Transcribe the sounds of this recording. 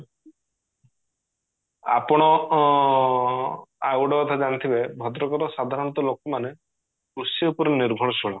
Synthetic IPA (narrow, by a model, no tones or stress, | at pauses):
a̰pɔɽ̃ɔ | awɽɔkɔt̪ʰad͡ʒanit̪ʰibebʱɔd̪ɾɔkɔɾɔsad̪ʱaɾɔnt̪ɔlokɔmane | kɾusɔupɔɾeniɾbʱɔɽɔt͡ʃʰɔɭɔ